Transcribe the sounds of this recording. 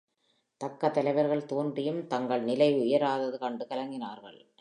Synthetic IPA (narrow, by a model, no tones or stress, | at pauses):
t̪ɐkːɐt̪ːɐlɐɪʋɐɾɣɐɭt̪oːndrɪjɯmt̪ɐŋɡɐɭnɪlɐɪʊjɐɾaːðɐðɯkɐɳɖɯkɐlɐŋɡɪnaːɾɣɐ̰ɭ